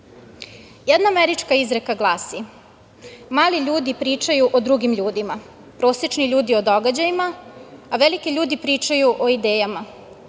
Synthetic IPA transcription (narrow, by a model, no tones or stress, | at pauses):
jɛd̪naːmeɾit͡ʃkaizɾekaɡlˠaːsi | maːliʎuːd̪ipɾiːt͡ʃajuʔod̪ɾuɡimʎuːd̪ima | pɾo̞ːset͡ʃniʎuːd̪io̞d̪o̞ɡad͡ʑajimaːʋelikeʎuːd̪ipɾiːt͡ʃajuʔoid̪eːjama